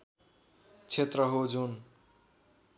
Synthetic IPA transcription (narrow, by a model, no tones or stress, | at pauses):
t͡sʰet̪rʌɦod͡zun